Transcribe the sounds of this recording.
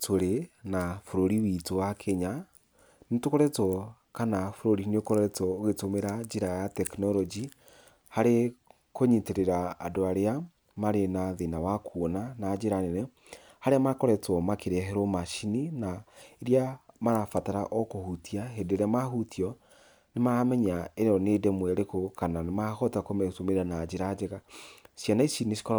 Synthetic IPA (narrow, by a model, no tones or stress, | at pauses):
tʰoɾenafoɾoɾiwitowakʰeɲa | netokoɾɛtɔ | kanafoɾoɾineokoɾɛtɔːɣetomeɾad͡ʒeɾajatɛknɔɾɔd͡ʒi | haɾe | koɲiteɾeɾa̰ːdoaɾea | maɾenaðenawakʰuonanad͡ʒeɾanɛnɛ | haɾeamakɔɾɛtɔmakeɾeɦɛɾomaʃininaeɾiamaɾafataɾaʔɔkohutiaɦedeɾeamahutiɔ | nemaɾamɛɲaeɾɔnedɛmwɛɾekokananemahɔtakomesomeɾanad͡ʒeɾad͡ʒɛɣaʃjanaiʃiniʃi̥kɔ